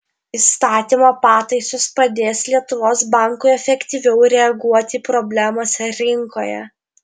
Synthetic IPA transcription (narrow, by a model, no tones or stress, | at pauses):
ist̪ɑːt̪ʲiːmopɑːt̪ɐɪsʊspɐd̪ʲeːslʲiɛt̪ʊʋoːsbɑŋkʊɪɛfʲɛkt̪ʲiʋʲɛʊɾʲɛɐɡuɔt̪ʲiːpɾɔːbʲlʲæmoːsʲɛɾʲɪŋkoːjɛ̰